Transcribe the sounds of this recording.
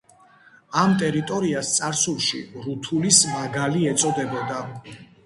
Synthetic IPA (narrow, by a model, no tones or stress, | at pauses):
amt̪ʼɛɾit̪ʼɔɾiast̪sʼaɾsulˠʃḭɾut̪ʰulismaɡaliɛt̪sʼɔd̪ɛbɔd̪a